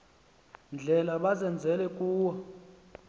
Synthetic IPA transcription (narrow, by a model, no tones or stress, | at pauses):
nd͡ɮʱɛlaɓazɛnd͡zʱɛlɛkʼuːwɔ